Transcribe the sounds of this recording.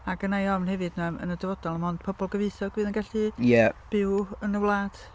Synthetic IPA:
aɡənajɔmnhɛvɨdnamə̰nədəvɔdɔlˠənmɔnd̥̚pʰɔbɔlˠɡəvɨɨθɔɡvɨːðənɡaɬijɛb̥ɪwənəwlˠaːd̥

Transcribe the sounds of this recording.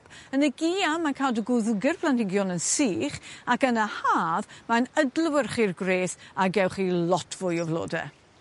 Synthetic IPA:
ənəɡiːamankʰaːdəɡʊðuɡɪrpʰlˠantɪɡjɔnənsiːχakənəhaːðmanədlˠəwərχirɡreːθaɡɛwχilɔtʰv̥ʊjɔvlˠo̰ːdɛ̰

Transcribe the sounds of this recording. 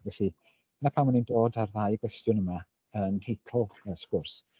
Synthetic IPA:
vɛɬi̥ | ənapʰawmənindoːdarðajɡ̥wɛstjʊnəma | əntʰejtʰl̩ˠəskʊrs

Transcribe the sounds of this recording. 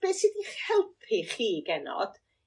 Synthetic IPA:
b̥eːsidiχhɛlˠpʰiχiːɡɛnɔ̰d̥

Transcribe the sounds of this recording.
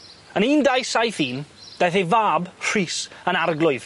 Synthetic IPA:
əniːndajsajθiːnd̥ajθevaːbr̥iːsənarɡlˠʊɨð̥

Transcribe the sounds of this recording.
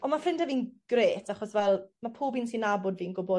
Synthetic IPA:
ɔnmafɪndəviːnɡ̥reːtʰaχɔsvɛlˠmapʰuːbiːnsinabɔdviːənɡʊbɔ

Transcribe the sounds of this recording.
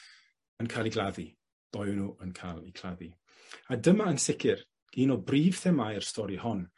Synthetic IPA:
ənkʰalˠiɡlˠaði | b̥ɔjwnuːʔənkʰalˠikʰl̥ˠaði | adəmaənsɪkʰɪr | ɡ̥iːnɔbriːv̥θɛmajrstɔɾihɔn

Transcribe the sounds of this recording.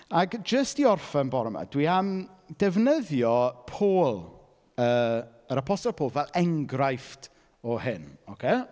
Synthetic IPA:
aɡd͡ʒəstiɔrfənbɔɾəma̰d̥wiamd̥ɛvnəðjɔpʰoːlˠ | əː | əɾapʰɔstɔlˠpʰoːlˠvɛlˠɛŋɡrajft | ɔhɪnɔkʰeː

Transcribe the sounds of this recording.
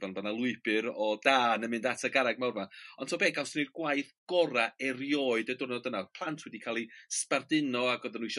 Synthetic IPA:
vanvanalˠʊɨbɨɾɔdaːnəmɨndatʰaɡaɾaɡ̚mawrmaɔntʰoːbeːɡawsnirɡwaɨθɡ̥ɔɾaɛrjɔːɨdədʊrnɔdənapʰlˠantʰwɛdikʰalˠispardɪnɔaɡɔðənwiʃ

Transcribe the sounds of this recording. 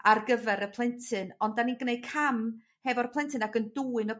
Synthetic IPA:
arɡəvɛɾəpʰlˠɛntʰɨnɔndaninɡnej̥̚kʰam | hɛvɔrəpʰlˠɛntʰɨnaɡənduːɨnɔ

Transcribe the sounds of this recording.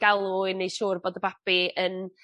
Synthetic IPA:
ɡ̥alˠuɨnejʃuːrboːdəbapiən

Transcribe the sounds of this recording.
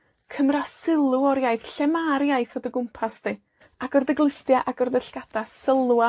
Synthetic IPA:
kʰəmrasɪlˠuɔɾjaɨθɬɛmaɾjajθɔdəɡʊmpʰasdi | aɡɔrðəɡlˠɪɬdjaʔaɡɔrðəɬɡ̥ad̥asəlˠwa

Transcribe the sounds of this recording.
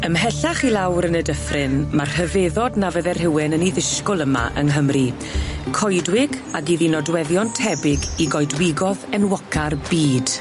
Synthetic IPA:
əmɦɛɬaχilˠawɾənədəfrɪnmar̥həveðɔdnavəðɛrɦɪwɪnəniðɪʃkʊlˠəma̰ʔə̰ŋɦəmri | kʰɔjdwɪɡaɡiðinɔdwɛðjɔntʰɛbɪɡiɡɔɨdwɪɡɔðɛnwɔkʰarbiːd̥

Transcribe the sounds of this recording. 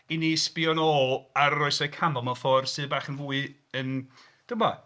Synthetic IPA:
iniːspiɔnɔːlˠaɾːɔɨsɛkʰamɔmɔfɔrsɨðbaːχənvuːɨ | ən | d̥ʊmɔ

